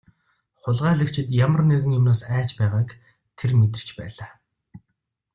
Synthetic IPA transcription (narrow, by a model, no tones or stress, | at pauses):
χʊɮʁæːɮɘ̆kt͡ɕʰɪ̆t̪jamə̆rneɣɘ̆ŋjʊmnoːsæːt͡ɕpæːʁaːk | t̪ʰermet̪̬ɘ̆r̥t͡ɕpæ̰ːɮaː